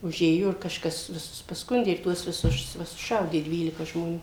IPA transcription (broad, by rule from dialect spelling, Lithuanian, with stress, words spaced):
ʊˈʒʲeːjoː ɪr kɐʃˈkɐs ʋʲɪˈsʊs pɐˈskʊnʲdʲeː ɪr ˈtuɔs ʋʲɪˈsʊs ˈʋɐ sʊˈʃɐʊdʲeː ˈdʲʋʲiːlʲɪkɐ ʒmoːˈnʲuː